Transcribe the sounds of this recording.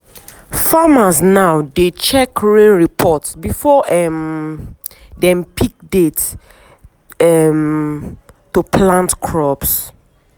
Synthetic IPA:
famaznawdet͡ʃɛkɹẽnɹipʰɔtsbifɔʔɛm | dɛ̃mpʰik̚det | ɛm | tupʰlãntkʰɹɔps

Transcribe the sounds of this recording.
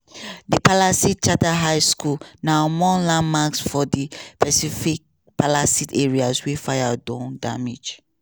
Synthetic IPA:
dipalasit̚t͡ʃataɦajskulnamɔlãnmaksfɔdipɛsifik̚ | pʰalasitɛɹiaswɛfajadɔ̃ndamid͡ʒ

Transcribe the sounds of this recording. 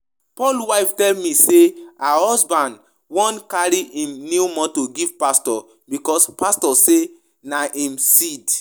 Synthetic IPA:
pɔlwaɪftɛlmĩseahɔsbãnd | wɔ̃nkaɾiʔĩmnimɔ̃toɡiv̥pastɔ | bikɔspastɔse | naʔĩmsid

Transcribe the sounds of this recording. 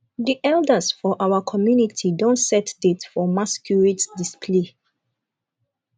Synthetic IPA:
diʔɛldəsfɔʔawəkʰɔmjunitʰidõntsɛtdetfɔmaskʰjuɹitdispʰle

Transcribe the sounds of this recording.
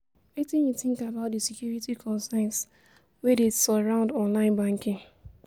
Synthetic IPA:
etĩnjuθɪ̃ŋkabaʊt̚disikjuɹitikʰɔ̃nsãɪ̃ns | wɛdesɔɹãʊ̃ndɔ̃nlãɪ̃nbãŋkɪ̃ŋ

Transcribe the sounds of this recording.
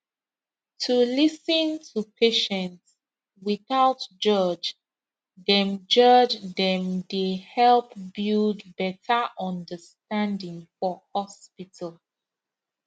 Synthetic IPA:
tʰulisə̃ntʰupʰeʃɛ̃nts | wiθaʊtd͡ʒʌd͡ʒ | dɛ̃md͡ʒʌd͡ʒdɛ̃mdehɛlpbildbɛtʰəʔɔ̃ndəstãndĩŋfɔhɔspitʰəlˠ

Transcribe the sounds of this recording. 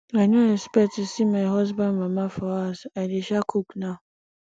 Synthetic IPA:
anõɛspɛtɪsimãɦɔs̬bãnmãmãfɔasadɪɕakʰuknã

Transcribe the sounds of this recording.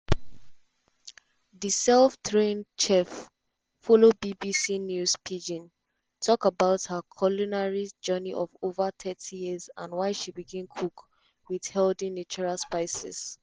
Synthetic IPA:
ðisɛlftʰɹẽnt͡ʃɛfː | ɔlobibisinjuspʰid͡ʒĩn | tʰɔkabaʊthəkʰɔlunaɹid͡ʒɜniʔɔvovət̪ʰɛtʰijizã̰nwaɪʃibiɡĩnkʰuk | wið̥hɛldĩnit͡ʃuɹalspaɪsɛ̰s

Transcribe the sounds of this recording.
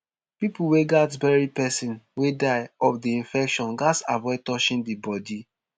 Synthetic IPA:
pipuweɡatbɛɹipɛsĩnwedaɪɔfdiĩnfɛkʃɔ̃nɡasavɛtɔʃĩndibɔdi

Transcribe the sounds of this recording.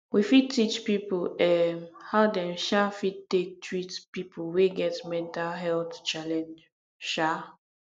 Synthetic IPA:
wifid̚tit͡ʃpipolɛmhaʊdɛ̃mʃafid̚tek̚tʰɹitpipoweɡɛtmɛ̃ntalɦɛlθt͡ʃalɛ̃nd͡ʒ | ʃa

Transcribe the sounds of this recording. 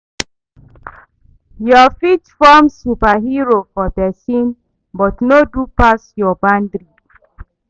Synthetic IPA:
jɔfitfɔmsupaɦiɹofɔbɛsĩn | bɔtnodupasjɔbãndɹi

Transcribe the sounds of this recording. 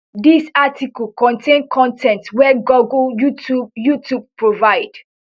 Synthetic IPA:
disatikəlkɔ̃ntʰẽnkʰɔ̃ntʰɛ̃ntwɛɡuɡljutubjutʰub̚pʰɹovaɪd̥

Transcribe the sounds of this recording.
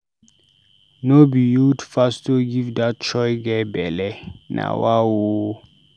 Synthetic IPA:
nobijudfastoɡivdat̚t͡ʃɔjɡɛbɛlɛnʔa̰wawo

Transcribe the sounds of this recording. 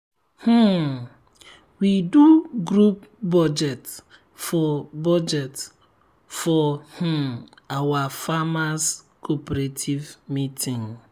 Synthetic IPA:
h̩ | widuɡɾupbɔd͡ʒɛt | fɔbɔd͡ʒɛt | fɔh̩ | awafamas | kʰopeɾetʰivmitʰĩŋ

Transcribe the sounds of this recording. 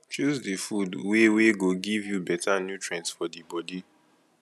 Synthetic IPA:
t͡ʃuzdifudweweɡoɡivjubɛtʰanjutɹɛ̃ntsfɔdibɔdi

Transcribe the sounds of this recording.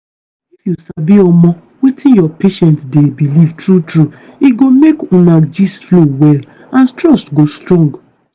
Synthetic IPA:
ifjusabiɔmɔ̃ | wetĩnjɔpeʃɛ̃ntdebilivtɹutɹuiɡomekũnãd͡ʒisflowɛl | ãntɹɔstɡostɹɔ̃ŋɡ

